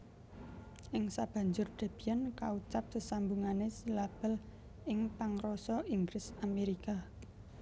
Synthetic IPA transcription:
ʔɪŋsab̥ä̤ɲd͡ʒʊrd̪̥a̤b̥iankaut͡ʃap̚səsambuŋanesəlab̥əl | ɪŋpaŋɾɔsɔiŋɡɾɪsameɾika

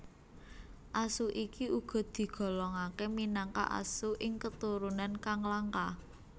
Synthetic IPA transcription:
ʔasuʔikiʔuɡ̥ɔ̤d̪̥i̤ɡ̥ɔ̤lɔŋakeminaŋka̰ʔa̰suʔɪŋkət̪uɾunankaŋlaŋka

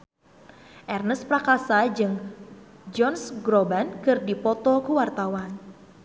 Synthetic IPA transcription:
ʔɛrnəspɾakasad͡ʒɨŋ | d͡ʒɔnsɡɾɔbankɨrdipɔt̪ɔkəwart̪awan

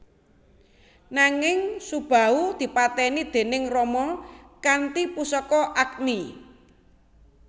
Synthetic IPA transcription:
naŋɪŋsub̥a̤ud̪̥i̤pat̪ɛnid̪̥e̤nɪŋrɔmɔkant̪ipusɔkɔʔakni

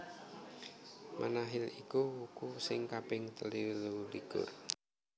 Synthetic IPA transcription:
mʔa̰naɦɪlikuwukusɪŋkapɪŋt̪əliluliɡ̥ʊ̰r

